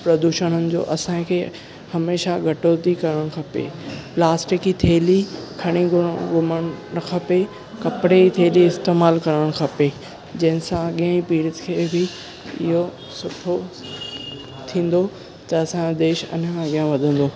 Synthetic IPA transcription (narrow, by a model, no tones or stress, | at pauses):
pɾɐd̪uːʃəɽ̃ənɪ̆d͡ʑo̰ːʔɐsãkʰeː | hɐmeːʃaɡʱɐʈoːt̪ikɐɾəɽ̃kʰɐpḛplaːsʈɪkit̪ʰeːlikʰɐɽ̃iɡʊɡʊməɽ̃kʰɐpe | kɐpɪɽeit̪ʰeːliɪst̪eːmaːlkɐɾəɽ̃kʰɐpe | d͡ʑɐ̃ɦɪ̃nsãɠijə̃ipiːɽɪt̪kʰeːbɪ | ɪ̰ɦo | sʊʈʰo | t̪ʰĩːn̆d̪o | t̪ɐɐsãd̪eːʃɐ̰nãɡijãʋɐd̪ʱə̃n̆d̪oː